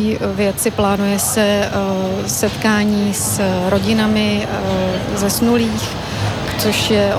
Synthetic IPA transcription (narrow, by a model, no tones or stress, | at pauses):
ivjɛt͡sɪplaːnujɛsɛ | sɛt̪kaːɲiːsɾoɟɪnamɪ | zɛsnuliːx | t͡soʃjɛ